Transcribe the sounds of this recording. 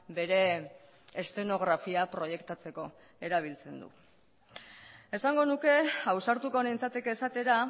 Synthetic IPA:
be̞ɾe̞ | est̪e̞no̞ɣɾafiapɾo̞je̞kt̪at͡se̞ko̞ | e̞ɾaβ̞ilt͡se̞nd̪ṵ | e̞saŋɡo̞nuke̞awsaɾt̪uko̞nent͡sat̪ekesat̪e̞ɾa

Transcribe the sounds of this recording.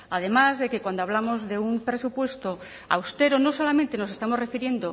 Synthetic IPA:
að̞e̞mazðe̞kekwand̪oaβlamo̞zðe̞umpɾe̞supwe̞st̪o | a̰wst̪e̞ɾonoso̞lamẽnt̪e̞no̞se̞st̪amo̞zre̞fiɾje̞nd̪o

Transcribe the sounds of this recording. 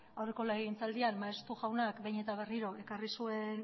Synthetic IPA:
awre̞ko̞laeɣint͡sald̪ianmaest̪uɣawnakbejɲe̞t̪aβ̞e̞riɾo̞ʔe̞karisue̞n

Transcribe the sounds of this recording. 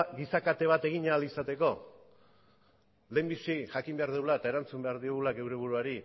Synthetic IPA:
ɡisakat̪e̞β̞at̪e̞ɣ̞iɲaalisat̪e̞ko̞ | le̞mbisiʝakimbe̞aɾðewlaet̪ae̞ɾant͡sumbe̞aɾðioɣulake̞wɾe̞β̞uɾuaɾi

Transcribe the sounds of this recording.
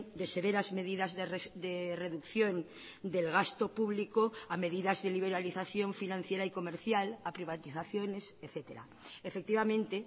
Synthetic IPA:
d̪e̞se̞βeɾazme̞ðiðazðd̪ereðukθjon | d̪elɣast̪opuβlikoame̞ðiðazðeliβ̞eɾaliθaθjo̞ɱfinãn̟θjeɾaiko̞meɾθjalapɾiβ̞at̪iθaθjoneseθet̪eɾa̰ | efek̚t̪iβamẽ̞nt̪e

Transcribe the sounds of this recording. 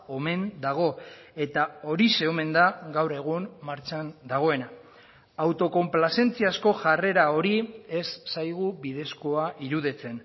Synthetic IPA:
o̞me̞nd̪aɣ̞o̞e̞t̪ao̞ɾise̞ome̞nd̪aɡawɾe̞ɣ̞umːaɾt͡ʃand̪aɣ̞o̞e̞na | awt̪o̞ko̞mplase̞nt͡siasko̞ʝare̞ɾao̞ɾie̞sːajɣ̞uβiðe̞sko̞aʔiɾuðit͡se̞n

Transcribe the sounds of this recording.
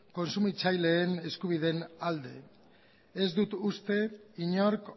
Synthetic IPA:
ko̞nsumit͡sajle̞ːne̞skuβ̞iðe̞nald̪e̞̰ | ezd̪ut̪ust̪e̞iɲo̞ɾk

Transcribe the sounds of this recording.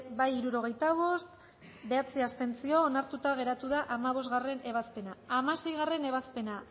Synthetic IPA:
bajiɾuɾo̞ɣ̞e̞jt̪aβo̞st̪ | be̞at͡siast̪e̞nt͡sioːnaɾt̪ut̪aɣ̞e̞ɾat̪uðaʔamaβ̞o̞zt̪ɣare̞ne̞β̞aspe̞naːmase̞jɣ̞are̞ne̞β̞aspe̞na

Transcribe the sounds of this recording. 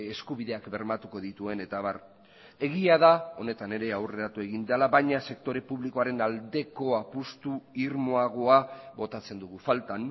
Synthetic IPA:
e̞skuβiðe̞akbe̞ɾmat̪uko̞ðit̪ue̞ne̞t̪aβaɾ | e̞ɣiaðao̞ne̞t̪ane̞ɾe̞awre̞ɾat̪ue̞ɣind̪ealaβajɲase̞k̚t̪o̞ɾe̞puβliko̞aɾe̞nald̪e̞ko̞apust̪uiɾmo̞aɣ̞o̞aβo̞t̪at͡se̞nd̪uɣufalt̪an

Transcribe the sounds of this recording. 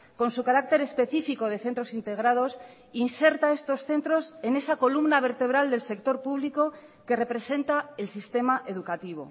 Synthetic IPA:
ko̞nsukaɾak̚t̪e̞ɾe̞spe̞θifiko̞ð̞e̞θe̞nt̪ɾo̞sint̪e̞ɣ̞ɾað̞o̞s | inse̞ɾt̪ae̞st̪o̞sθe̞nt̪ɾo̞se̞ne̞sako̞lumnaβ̞e̞ɾt̪e̞β̞ɾald̪e̞lse̞kt̪o̞ɾpuβ̞liko̞ | ke̞re̞pɾe̞se̞nt̪ae̞lsist̪e̞maʔe̞ðukat̪iβ̞o̞̰

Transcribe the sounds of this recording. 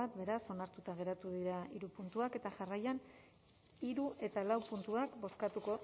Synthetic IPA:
at̪be̞ɾaso̞naɾt̪ut̪aɣ̞e̞ɾat̪uðiɾaiɾupunt̪uake̞t̪aʝarajan | iɾuʔe̞t̪alawpunt̪uakbo̞skat̪uko

